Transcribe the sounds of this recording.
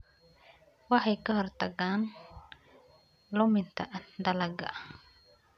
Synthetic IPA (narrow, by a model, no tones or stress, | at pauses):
wɑħɑjkʰɐɦɔrt̪ʰɐɣaːn | lʊmɪnt̪ʰɐd̪ɐlɐɡɐ̰